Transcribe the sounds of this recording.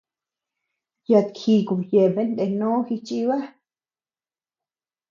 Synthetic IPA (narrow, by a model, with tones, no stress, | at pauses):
ja˧˨t̪kʰi˧˨ku˨je˨be˦nd̪e˧˨nõ˦xi˧t͡ʃʼi˧βa˦